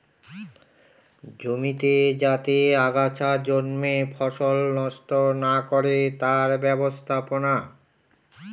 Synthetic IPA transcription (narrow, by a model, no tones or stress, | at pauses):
d͡ʑomit̪ed͡ʑat̪eaɡat͡ɕʰad͡ʑonmefʰɔʃolnɔʃt̪onakoɾet̪aɾbɛbost̪ʰapona